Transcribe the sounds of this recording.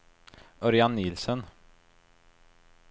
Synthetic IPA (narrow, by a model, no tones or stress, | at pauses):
ʔɔɾjɑnːiːlsən